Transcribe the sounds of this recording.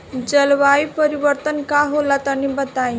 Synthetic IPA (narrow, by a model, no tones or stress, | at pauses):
d͡ʒəlʋaipəɾiʋəɾt̪ənkaɦolat̪ənibət̪aĩ